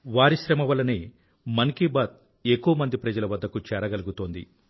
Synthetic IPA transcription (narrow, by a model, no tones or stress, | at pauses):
ʋaːɾiʃɾɐmɐʋɐlːɐni | mɐŋkibaːt̪̚ | ekːuʋɐmɐnd̪ipɾɐd͡ʒɐlɐʋɐd̪ːɐkut͡ʃɛːɾɐɡɐluɡut̪o̞ːnd̪ḭ